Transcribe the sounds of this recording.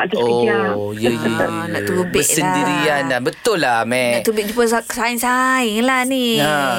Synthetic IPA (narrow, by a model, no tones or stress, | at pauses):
ojəjənaʔt̪ubəsəndiɾiandanbət̪ʊlːamɛat̪ubɪʔ̚d͡ʒupəsaksaɪnsaɪŋlahnia